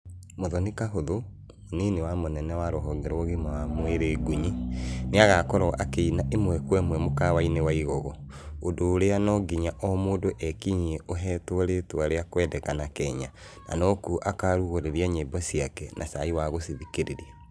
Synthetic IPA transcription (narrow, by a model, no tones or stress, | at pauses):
moðɔnikaɦoðo | onenewamonɛnɛwaɾoɦɔɡɛɾɔɣimawamweɾeːɡuɲineaɣakɔɾɔʔakeinaʔemwɛkwɛmwɛmokawainewaiɣɔɣɔ | odoːɾeanɔɡiɲaʔɔmoːdoʔɛkiɲieʔoɦɛːtwoɾetwaɾeakwɛdɛkanakɛɲa | na̰nɔkuʔakaɾuɣoɾeɾiaɲeːbɔsiakɛnʔa̰saiwaɣosiðikeɾeɾia